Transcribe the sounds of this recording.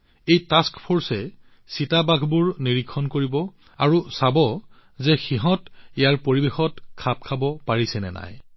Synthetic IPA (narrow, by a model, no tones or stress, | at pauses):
ejtaskpʰoɹsɛ | sitabaɡʱbuɹniɹikʰːɔnkoɹibɔ | aɹusabɔ | zɛxiɦɔ̃tejaɹpoɹibexɔtkʰap̚kʰabɔpaɹisɛnɛ̰na̰j